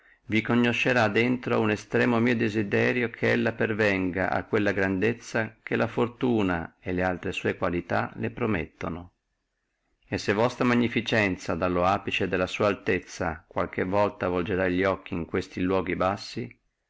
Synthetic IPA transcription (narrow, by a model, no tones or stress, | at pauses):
vikoɲːoʃːeɾad̪ːent̪ɾounest̪ɾɛːmomiːod̪ezid̪ɛːɾjokʰeelːapervɛŋɡa̰ʔa̰kːwelːaɡɾand̪et̪sːak̟elʔafort̪uːna̰elealt̪ɾesuːekwalit̪a̰lepɾomḛt̪ːono | esːevːɔst̪ɾamaɲːifit͡ʃɛnt̪sad̪alːoaːpit͡ʃed̪elːasuːaːlt̪et̪sːakwa̰lkevːɔlt̪avold͡ʒeɾaiʎːiɔkːiiŋkwest̪ilwɔːɡibasːi